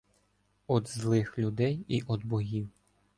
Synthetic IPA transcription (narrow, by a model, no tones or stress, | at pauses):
ɔd̪zlˠɪxlʲud̪ɛjiʔɔd̪bɔɦʲiw